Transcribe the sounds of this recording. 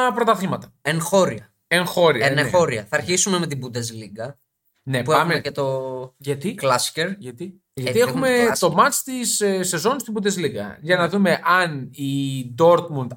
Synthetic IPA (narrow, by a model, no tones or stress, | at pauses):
pɾo̞t̪ɐθimɐt̪ɐ̥enxoɾiɐ | eŋxo̞ɾiɐnxoɾiɐθɐːɾçisume̞met̪ibud̪ezliɡɐ | ne̞pueɐmmecet̪oʝɐt̪ilɐsceɾʝɐt̪i | ʝɐt̪iexume̞t̪o̞mɐt͡ʃt̪issːe̞zo̞nst̪ibund̪ezliɡɐ̰ʝɐnɐðume̞ʔɐnid̪o̞ɾk̪mund̪